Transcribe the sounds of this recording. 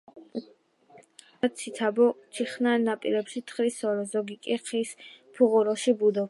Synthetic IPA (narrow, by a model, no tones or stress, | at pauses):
asʰit̪ʰabɔt͡ʃʰiχnanːapʼḭɾɛpʃit̪ʰχɾisɔɾɛzɔɡikʼiqʰispʰuʁuɾɔʃibud̪ɔ